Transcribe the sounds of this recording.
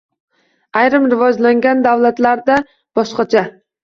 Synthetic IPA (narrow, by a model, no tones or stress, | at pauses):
ajɾɪmɾɪvɒd͡ʒlaŋɡʲand̪awlat̪laɾd̪a | b̥ɒʃqɑt͡ʃʰa